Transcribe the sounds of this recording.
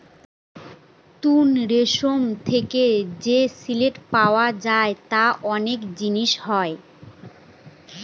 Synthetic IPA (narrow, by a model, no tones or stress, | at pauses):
t̪unɾeʃomt̪ʰeked͡ʑesileʈpaoad͡ʑaet̪aʔɔnekd͡ʑiniʃɦɔe